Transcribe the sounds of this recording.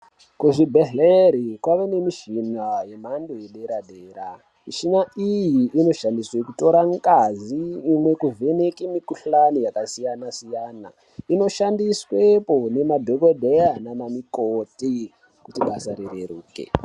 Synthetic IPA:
kuʐibʱeɬeɾikwaʋene̞miʃinaje̞mandujeɗeɾadʱeːɾa̰ | iʃinaʔijiːno̞ʃandiswekuto̞ɾaŋkaziːmwe̞kuvenekimikuɬanijakasijanasijaːna̰ | ino̞ʃandiswepone̞madʱoɡodʱejananamikoti | kutiɓasaɾireɾuːkḛ

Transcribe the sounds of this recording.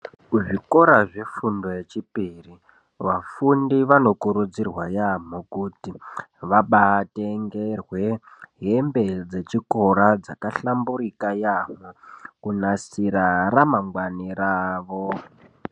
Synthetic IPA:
kuʐikoɾaʐefundo̞jet͡ʃipiri | ʋafundiʋano̞kuɾud͡zirwajam̤okutiʋaɓateŋɡerwe̞ɦembe̞d͡ze̞t͡ʃikoɾad͡zakaɬambuɾikajam̤okunasiɾaramaŋɡwaniɾaːʋo

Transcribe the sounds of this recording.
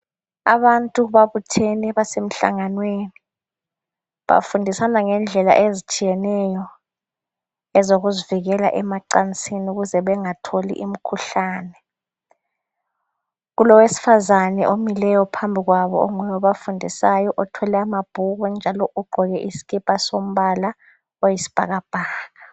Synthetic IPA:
a̰βantʼuβaβutʰeniβasem̩ɬa̰ŋanweːni | βa̰fundʱisanaŋɛnd͡ɮʱɛla̰ʔezit͡ʃʰʼijɛnɛjɔ | ɛzoɣuziviɣɛla̰ʔɛmaǀant͡sʼinuɣuzɛβɛŋatʰolḭʔim̩kʰuɬaːnɛ | ɣulɔwesi̥fazanɛʔomilɛjɔpʰambʱiɣwaɓɔoŋujɔɓafundʱisajɔʔɔtʰɔlɛamab̥ʱuɣ̬wɛnd͡ʒʱalɔʔuɡ͡ǃʱɔɣɛʔisi̥kipʼasom̩ɓala | ojisi̥b̥ʱa̰ɣ̬ab̥ʱaːɣa

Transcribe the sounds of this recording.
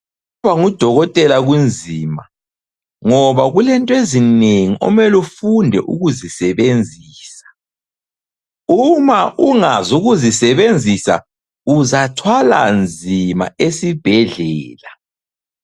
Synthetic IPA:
βaŋud̥ʱɔɣɔtʼɛlaɣund͡zʱiːma | ŋɔβaɣulɛntʼezineŋiʔɔ̰mɛlufundʱɛ̰ʔṵɣuzisɛβend͡zʱiːsḁ | umaʔuŋazuɣuzisɛβend͡zʱisa̰ | uzatʰwala̰nd͡zʱima̰esib̥ʱɛɮɛːla

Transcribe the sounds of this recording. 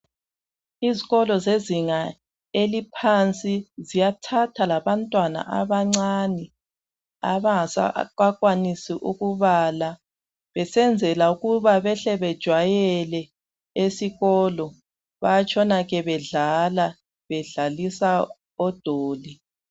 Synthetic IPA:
iziɣɔlɔzeziŋa | elipʰant͡sʼizijatʰatʰalaβantʼwana̰ʔa̰βaŋ͡ǀanɛ | a̰βaŋasa̰ɣaɣʼwanisiʔuɣuβala | βɛsɛnd͡zʱɛlauɣuβaβɛɬɛβɛd̥ʒ̥ʱwajɛlɛ | esiɣɔlɔ | βajat͡ʃʰʼɔnaɣɛβɛɮala | βɛɮalisa | ɔd̥ʱoːli

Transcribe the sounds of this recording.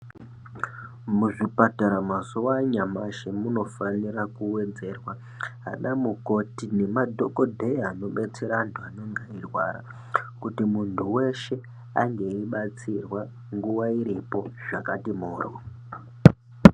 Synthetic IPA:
muʐipataɾamazuwaɲamaʃemuno̞faniɾakuwe̞d͡ze̞rwa | ɦa̰ɗamuko̞tine̞madʱo̞ko̞dʱeano̞ɓe̞t͡se̞ɾantʰuano̞ŋɡairwa̰ːɾa̰ | kutimuntʰuwe̞ʃe̞ | a̰ŋɡe̞iɓat͡sirwa | ŋɡuwaiɾipo̞ʐakatimoːrwo

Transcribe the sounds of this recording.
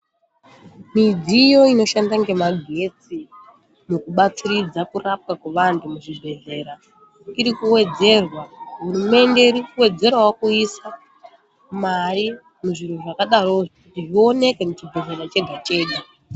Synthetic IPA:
mid͡zijo̞ino̞ʃandaŋɡe̞maɡʱe̞t͡si | mukuɓat͡siɾid͡zakurap̚wakweʋantʰumuʐibʱe̞ɮe̞ːɾa | iɾikuwe̞d͡ze̞rwaɦuɾume̞nde̞iɾikuwe̞d͡ze̞rwawakuisa | mari | muʐiɾoʐakaɗaro̞ʐikutiʐio̞ne̞ke̞mut͡ʃibʱe̞ɮe̞ɾat͡ʃe̞ɡʱat͡ʃe̞ːɗu

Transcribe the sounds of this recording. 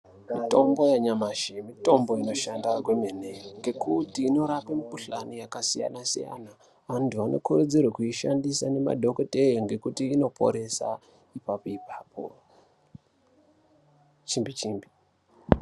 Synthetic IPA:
mito̞mbo̞jaɲamaʃemito̞mbo̞ino̞ʃandakwemeneŋɡe̞kutiːno̞ɾapemipuɬanijakasija̰nasḭja̰na | ʋantʰuʋano̞̰kurud͡zirwekuiʃandisane̞ma̰dʱo̞kotejoŋɡe̞kutiːno̞po̞̰ɾe̞sa̰ | ipapoipʰaːpʰo̰ | t͡ʃimbit͡ʃiːmbi

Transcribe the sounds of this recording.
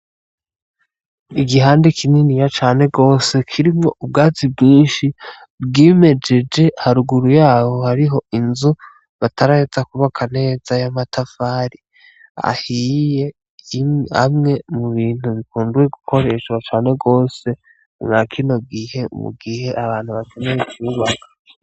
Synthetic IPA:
iɡiɦaːndekʰininijat͡ʃaːne̞ɡo̞ːse̞kʰiɾimŋo̞ub̚ɡaːzibɡiːnʃi | bɡiːme̞d͡ʒe̞d͡ʒe̞haɾuɡuɾujaːβo̞haɾiɦo̞inzu | βataɾahezakuβakʰane̞ːz̥ajamatʰafaːɾi | a̰hije̞ | a̰mŋe̞muβiːn̥huβikuːndwe̞ɡukʰo̞ɾe̞ʃat͡ʃaːne̞ɡo̞ːse̞ | mŋakʰino̞ɡihe̞ṵmṵɡihe̞ʔaβaːn̥huβakʰenejekiuβaɡḁ

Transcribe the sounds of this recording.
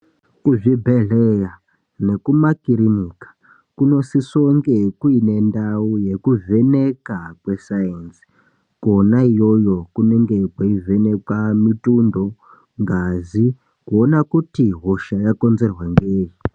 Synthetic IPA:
kuvibʱeɮeja | ne̞kumakiɾimuːkḁ | kuno̞sisoŋɡe̞kuine̞ndauje̞kuve̞ne̞kakwe̞sainsi̥ | kuonaijo̞jo̞kune̞ŋɡe̞kwaive̞ne̞kwamitundo̞ | ŋɡazi | kuo̞nakutiɦoʃajako̞nze̞rwaŋɡeːji

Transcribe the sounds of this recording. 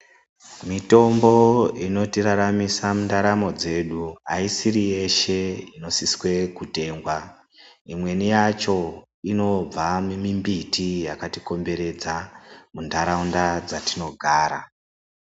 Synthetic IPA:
mito̞mbo̞ino̞tiraɾamisamundaɾamo̞d͡ze̞ɗuaisiɾije̞ʃe̞ino̞siswe̞kute̞ːŋɡwa | imwe̞nijat͡ʃo̞ | ino̞b͡vamemimbitijakatiko̞mbe̞ɾe̞d͡zamundaɾaundad͡zatino̞ɡʱaːɾa̰

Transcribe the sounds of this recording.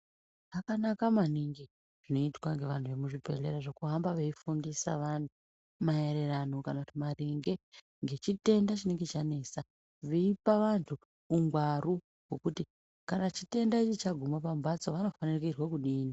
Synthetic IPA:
akanakamaniŋɡe | ʐ̥ino̞itwaŋɡe̞ʋantʰuʋe̞muʐipe̞̰ɮe̞̰ɾaʐo̞kuambaʋeifundisa̰ʋantu | maeɾeranokanakutimariŋɡe̞ | ŋɡe̞t͡ʃite̞ndat͡ʃine̞ŋɡe̞t͡ʃane̞sa | ʋeipaʋantʰuː | ŋɡwaɾu | ɡokuti | kanat͡ʃite̞ndait͡ʃit͡ʃaɡʱumapambat͡soʋano̞fanirakuirwakuɗiːni

